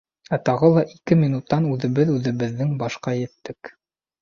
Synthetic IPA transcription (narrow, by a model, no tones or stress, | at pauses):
æt̪ɑʁɤlˠɑʔikɘmʲinut̪ːɑnʉðɘ̆βɘðʉðɘ̆βɘ̆ðːɘŋbɑʃqɑjɘ̆t̪ːɘk